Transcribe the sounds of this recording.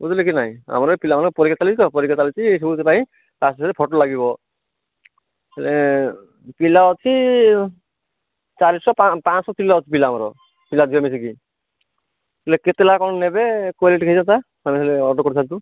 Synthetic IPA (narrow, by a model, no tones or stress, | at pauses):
ut̪lekinaɦĩa̰mɔɾɔpilamankɔpɔɾikatalit͡ʃʰit̪ɔpɔɾikat͡ʃalit͡ʃʰis̬ibut̪epaĩ | tasiselepʰɔʈolaɡibɔ | elʔe | pilaɔt͡ʃʰi | t͡ʃalisɔpapãsɔtilaɔt͡ʃʰip̬ilaːmɔɾɔ | pilad̪ʱiɔmis̬iki | eleket̪elakɔɽnebekoleʈkʰejd͡ʒant̪a | amisleɔʈɔkɔɾt͡ʃʰant̪u